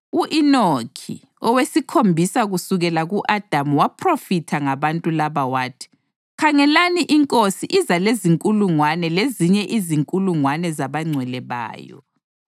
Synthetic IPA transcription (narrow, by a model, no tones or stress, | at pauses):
uʔinokʰḭ | ɔwesikʰombʱisaɣusuɣɛlaɣuʔad̥ʱamuwapʰrofitʰaŋaβantʼulaβawaːtʰi̥ | kʰaŋɛlaniʔiŋkʼosiʔizaleziŋkʼuluŋwanɛleziɲɛʔiziŋkʼuluŋwanɛzaβaŋ͡ǀʱwɛlɛβa̰ːjɔ̰